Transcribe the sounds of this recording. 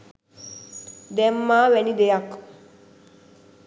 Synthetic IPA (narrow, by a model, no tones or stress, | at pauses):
d̪ɛmːaːʋɛnid̪ejak